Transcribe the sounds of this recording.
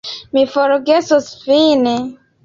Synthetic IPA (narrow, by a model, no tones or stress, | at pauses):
mifoɾɡesosfine